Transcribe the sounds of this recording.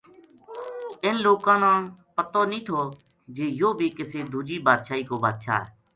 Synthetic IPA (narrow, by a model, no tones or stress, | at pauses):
ɪnloːkãːnãːpət̪oːnĩːt̪ʰoː | d͡ʒeːjoːbʱiːkɪseːd̪ʱuːd͡ʒiːbaːd̪ʃaːiːkoːbaːd̪ʃa̰ːɦɛ̰ː